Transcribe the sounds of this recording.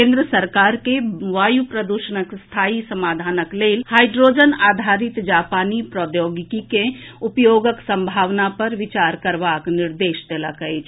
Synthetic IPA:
kẽːnd̪ɾəsəɾkaːɾkeʋaːjupɾəd̪uʃənəkst̪ʰaːisəmaːd̪ʱaːnəkleːlhaːɪɖɾoːd͡ʒənaːd̪ʱaːɾɪt̪d͡ʒaːpaːnipɾɔːd̪joːɡɪkikeʊpjoːɡəksə̃mbʱaːʋnapɐɾʋɪt͡ʃaːɾkəɾʋaːknɪɾd̪eːʃt̪eːlakəet͡ʃ

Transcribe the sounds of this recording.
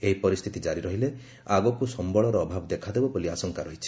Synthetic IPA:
eɦipɔɾist̪ʰit̪id͡ʒaɾiɾɔɦile | aɡɔkusɔmbɔɭɔɾɔːbʱabɔd̪ekʰad̪ebɔbɔliasɔŋkaɾɔɦit͡ʃʰi̥

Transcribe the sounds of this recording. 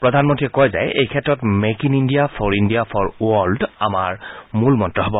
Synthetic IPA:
pɹɔdʱanmɔntiɛkɔjza̰jejkʰɛtɹɔtmekinindijapʰɔɹindijapʰɔɹuɔlda̰maɹmulmɔntɹɔɦɔbɔ

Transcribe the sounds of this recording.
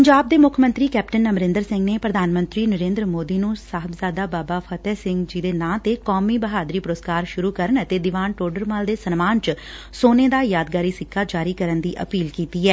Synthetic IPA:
pəɲd͡ʒaːb̚d̪eːmʊkʰmə̃nt̪ɾiːkɛːp̚ʈənːəmɾɪ̃nd̪əɾsɪ̃ŋɡneːpɾəd̪ʱaːnmə̃nt̪ɾiːnəɾẽːnd̪ɾəmoːd̪iːnũːsaːɦəbzaːd̪aːbaːbaːpʰət̪ɛːsɪŋɡd͡ʒiːd̪eːnãːt̪eːkɔːmiːbəɦaːd̪ɾiːpʊɾoːskaːɾʃʊɾuːkəɾəɳət̪eːd̪ɪʋaːnʈoːɾɖəɾmaːld̪eːsənmaːnt͡ʃ | soːneːd̪aːjaːd̪̚ɡaːɾiːsɪkʰːaːd͡ʒaːɾiːkəɾənd̪iːʔə̰piːlkiːt̪iːɛː

